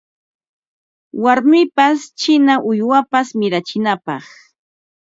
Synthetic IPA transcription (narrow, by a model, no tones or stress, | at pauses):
waɾmɪpast͡ʃɪnaʔʊjwapasmɪɾat͡ʃɪnapɑχ